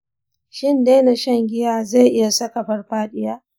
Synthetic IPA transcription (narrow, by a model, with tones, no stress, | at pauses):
ʃɪ˦˨nda˦jna˨ʃɐ˦˨ŋɡʲɪ˦jaː˦za˦˨ʔɪ˦ja˨sɐ˦ka˨ɸɐ˦rɸaː˦ɗɪ˦jaː˦